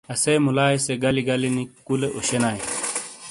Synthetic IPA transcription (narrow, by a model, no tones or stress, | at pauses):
ɐsejmulaːjseɡɐliɡɐlinikuleʔoɕenaːi